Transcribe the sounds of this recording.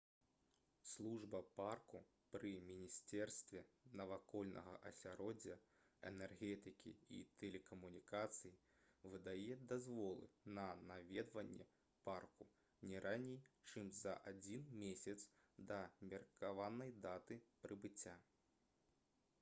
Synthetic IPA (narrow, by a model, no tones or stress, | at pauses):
slˠuʐbɐparku | pɾɨmʲinʲisʲt̪ɛrst̪vʲɛnɐvakɔlʲnʔɐ̰ɣɐ̰ʔɐsʲaɾɔd͡zʲːɐ | ɛ̰nɛrɣʲɛt̪ɨkʲḭḭt̪ʰɛlʲɛkɐmunʲikat̪sɨji | vɨd̪ajɛd̪azvɔlˠɨ̰nɐnavʲɛd̪vɐnʲːɛ̰ | parku | nʲɛɾʔanʲɛjt͡ʂɨmzɐ̰ʔad͡zʲinmʲesʲɐt̪sd̪ɐmʲɛrkavanɐjd̪at̪ɨpɾɨbɨt͡sʲːa